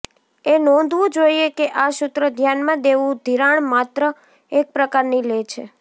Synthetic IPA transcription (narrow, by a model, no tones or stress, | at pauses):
enɔ̃nd̪ʱʋũd͡ʒoiekeʔaʃʊt̪ɾəd̪ʱjanmãd̪eʋũd̪ʱiɾaɳmat̪ɾə | ek̚pɾəkaɾnilet͡ʃʰḛ